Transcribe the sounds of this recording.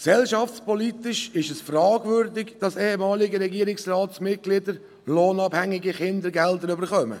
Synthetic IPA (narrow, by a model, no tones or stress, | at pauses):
ksɛlʃɑft͡spɔlit̪ɪʃɪʃɛsfrɑːɡvʏɾdɪɡd̥ɑseːhɛmɑːlɪɡəɾɛɡiːɾɪksrɑːtsmɪt̚ɡ̥lɪdəɾ | loːnɑbhæŋɪɡiχɪndəɾɡɛldəɾʏbəɾχœmə̰